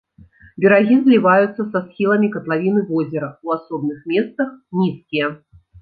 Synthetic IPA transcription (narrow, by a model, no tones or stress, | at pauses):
bʲɛɾaɣʲizlʲivajut̪sːɐsasxʲilˠɐmʲikɐt̪lˠavʲinɨvɔzʲɛɾɐuasɔb̚nɨxmʲɛst̪ɐxnʲiskʲijɐ